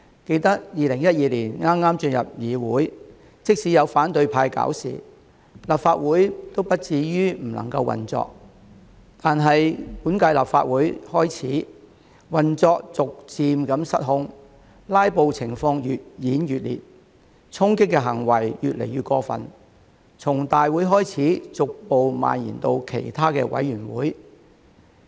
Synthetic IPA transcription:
ke˧jt̪ɐ˥k̚jiː˨˧lɪ˨˩ŋjɐ˥t̚jiː˨liː˨˩nŋaː˥mŋaː˥mt͡ʃɵ˧njɐ˨p̚jiː˨˧wuː˨˥j | t͡sɪ˥k̚siː˨˥jɐ˨˧wfaː˨˥nt̪ɵ˧ɥpʰaː˧jka̰ː˨˥wsḭː˨ | laː˨p̚faː˧t̚wuː˨˥jt̪o˥wpɐ˥t̚t͡siː˨˧jyː˥m̩˨˩lɐ̰˨˩ŋkɐ̰˧wɐ̰˨nt͡sɔ̰ː˧k̚ | t̪aː˨nɦɐ˨jpuː˨˥nkaː˧jla̰ː˨p̚fa̰ː˧t̚wuː˨˥jhɔː˥jt͡sʰiː˨˥ | wɐ˨nt͡sɔː˧k̚t͡sʊ˨k̚t͡siː˧mkɐ˨˧˥msɐ˥t̚ɦʊ˥ŋ | laː˥jpo˨wt͡sʰɪ˨˩ŋfɔː˧ŋjyː˨t̚jiː˨˥njyː˨t̚lḭː˨t̚ | t͡sʰʊ˥ŋkɪ˥kːɛ˧ɦɐ˨˩ŋwɐ˨˩jjyː˨t̚lḛ˨˩jɥyː˨t̚kɔː˧fɐ̰˨n | t͡sʰʊ˨˩ŋt̪aː˨jwuː˨˥jɦɔː˥jt͡sʰiː˨˥t͡sʊ˨k̚po˨wma̰ː˨njḭː˨˩nt̪o˧wkʰe˨˩jt̪ʰaː˥kɛː˧wɐ̰˨˥jɥyː˨˩nwṵː˨˥j

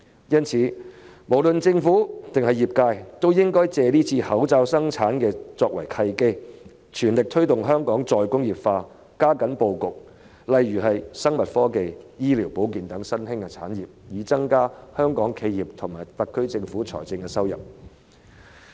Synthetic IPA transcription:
jɐ˥nt͡sʰiː˨˥ | mo˨˩wlɵ˨nt͡sɪ˧ŋfuː˨˥t̪ɪ˨ŋhɐ˨jiː˨p̚kaː˧jt̪o˥wjɪ˥ŋkɔː˥jt͡sɛː˨liː˥t͡sʰiː˧hɐ˨˥wt͡saː˧wsɐ˥ŋt͡sʰaː˨˥nkɛː˧t͡sɔː˧k̚wɐ˨˩jkʰɐ˧jke˥j | t͡ʃʰyː˨˩nlɪ˨k̚t̪ʰɵ˥ɥt̪ʊ˨ŋɦœː˥ŋkɔː˨˥ŋt͡sɔː˨jkʊ˥ŋjiː˨˩pfaː˧ | kaː˥kɐ˨˥npo˧wkʊ˨k̚ | lɐ˨jyː˨˩ɦɐ˨jsɐ˥ŋmɐ˨t̚fɔː˥ke˨jjiː˥liː˨˩wpo˨˥wkiː˨nt̪ɐ˨˥ŋsɐ˥nhɪ˥ŋkɛ˧t͡sʰaː˨˥njiː˨˩p̚jiː˨˥t͡sɐ˥ŋkaː˥hœː˥ŋkɔː˨˥ŋkʰe˧jjiː˨p̚t̪ʰʊ˨˩ŋmaː˨˩jt̪ɐ˨˧kʰːɵ˥ɥt͡sɪ˧ŋfuː˨˥t͡sʰɔ̰˨˩jt͡sɪ˧ŋkɛ˧sɐ˥wjɐ̰˨p̚

